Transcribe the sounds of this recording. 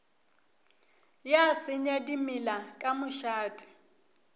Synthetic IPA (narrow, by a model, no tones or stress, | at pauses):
jasɪɲadimɪlakʼamʊʃaːtʼɪ̥